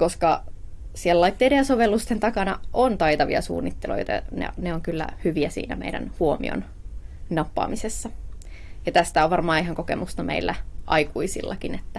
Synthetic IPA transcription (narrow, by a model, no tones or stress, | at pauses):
koskɑ | siellɑit̪ːeːdejɑsoʋelːust̪ent̪ɑkɑnɑʔont̪ɑjt̪ɑʋḭɑ̰sṵːnːit̪ːelo̰jt̪ɑ̰nḛneoŋkylːæ̰hyʋiæsḭːnæ̰mḛidæ̰nhuomḭo̰n | nɑpːɑ̰ːmisesːɑ | jɑt̪æst̪æoʋʋɑrmɑːihɑŋkokḛmust̪ɑmḛilːæʔɑikuisḭlːɑkinet̪ːæ